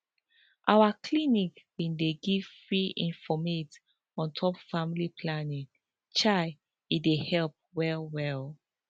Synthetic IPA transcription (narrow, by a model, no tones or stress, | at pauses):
ʔawakʰlinikwĩndeɡiv̥fɹiĩnfɔmet | ɔ̃ntʰɔpfamilipʰlanĩŋ | t͡ʃaɪ | idehɛlp̚wɛlwɛl